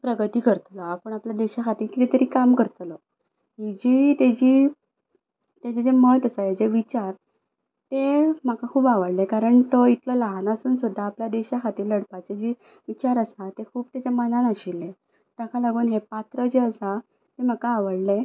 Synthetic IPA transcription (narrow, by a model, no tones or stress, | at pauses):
pɾəɡət̪iːkəɾt̪lɔapəɳapljad̪eɕakʰat̪iːlkit̪ɛt̪əɾiːkamkəɾt̪lɔ | ɦid͡ʑit̪ed͡ʑiː | t̪ed͡ʑed͡ʑemət̪əsajed͡ʑeʋit͡ɕaɾ | t̪em̤akakʰuːbaʋəɽlekaɾəɳt̪əit̪lələɦanasuːnsud̪ʱːaːpljad̪eɕakʰat̪iːlləɽpat͡ɕed͡ʑi | ʋit͡ɕaɾəsat̪ekʰuːbt̪jad͡ʑamənanaɕilːe | t̪akʰalaɡuːnɦepat̪ɾəd͡ʑeəsa | t̪em̤akaːʋəɽle